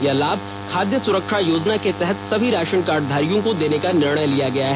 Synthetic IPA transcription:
jɐlaːb | kʰaːd̪jəsʊɾəkʃajoːd͡ʒnaket̪ɛɦɛt̪sɐbʱiɾaːʃənkaːɾɖd̪ʱaːɾijõkod̪eːnekanɪɾɳ̃əjlijaɡɐjaɦɛ

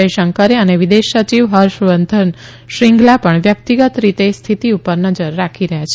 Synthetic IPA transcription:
əjʃəŋkəɾeəneʋid̪eʃət͡ʃiʋɦəɾʃʋənd̪ʱən | ʃɾiŋɡlapəɳʋjək̚t̪iɡət̪ɾit̪est̪ʰit̪iupəɾnəd͡ʒəɾːakʰiɾəɦjat͡ʃʰe

